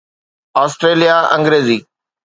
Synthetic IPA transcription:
aːsʈɾeːlijaʔɐ̃ŋɡɾeːziː

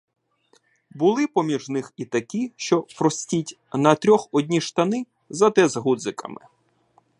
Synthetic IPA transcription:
bʊlˠɪpɔmʲiʒnɪxit̪ɐkʲiʃt͡ʃɔpɾɔsʲtʲitʲ | nɐt̪ɾʲɔxɔdʲnʲiʃt̪ɐnɪ | zɐt̪ɛzɦud̪zɪkɐ̰mɪ̰

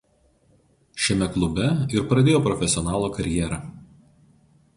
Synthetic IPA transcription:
ʃʲɛmʲɛklˠʊbʲɛɪɾpɾɐd̪ʲeːjoːpɾɔfʲɛsʲɪɔnɑːlˠoːkɐɾʲɪjɛɾɑː

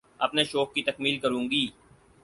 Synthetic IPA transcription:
ɐpneʃɔːk̚ːit̪ɐkmiːlkəɾũːŋɡiː

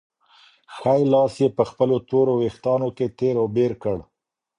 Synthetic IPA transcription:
xajlɑsjepəxpəlot̪oɾowext̪ɑnoket̪eɾowbeɾkəɽ

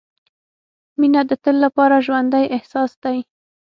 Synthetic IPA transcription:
minad̪ət̪əlːapɑɾaʒwand̪ajʔɪhsɑsd̪aj

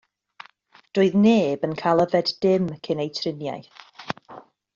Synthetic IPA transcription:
d̥oːɨðneːbənkʰalˠəvɛddɪmkʰɪnejtʰrɪnja̰j

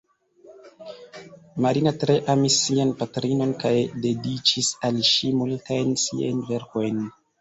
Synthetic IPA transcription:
maɾinatɾe̞ʔamisːianpatɾino̞nkajde̞dit͡ʃisalʃimultajnsia̰jnve̞ɾko̞jn

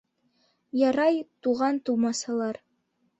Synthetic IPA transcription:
jɑɾɑjt̪uʁɑnt̪umɑsɑlˠɑɾ

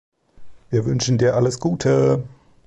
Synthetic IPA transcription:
viːɐvʏnʃn̩diːɐʔaləsɡ̥uːtʰə

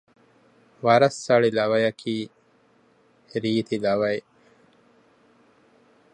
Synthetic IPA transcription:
ʋɐɾɐsːɐɭilɐʋɐjɐkʰiː | ɾiːt̪ilɐʋɐj

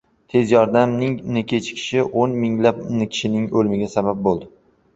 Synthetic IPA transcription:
t̪ʰe̞zjɒɾd̪amnɪŋnɪkʲʰe̞t͡ʃʰkʲʰɪ̥ʃɪʔonmɪŋlapnɪkʲʰɪ̥ʃɪnɪŋolmɪɡʲasabap̚bolˠd̪ɪ

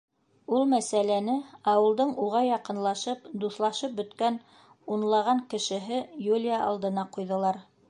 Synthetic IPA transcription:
ulˠmæsælænɘɑwɤ̆lˠd̪ɤɴuʁɑjɑqɤ̆nlˠɑʃɤpd̪uθlˠɑʃɤp̚bɵ̆t̪kæn | unlˠɑʁɑŋkɘ̆ʃɘ̆ɦɘjulʲjaʔɑ̰lˠd̪ɤ̆nɑqujðɤ̆lˠɑɾ

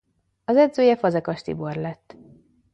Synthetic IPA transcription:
ɒzɛd̪zøːjɛfɒzɛkɒʃt̪ḭbo̞rlɛt̪ː

